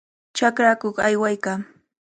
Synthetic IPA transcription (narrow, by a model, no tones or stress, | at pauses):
t͡ʃakɾakoχajwajkaː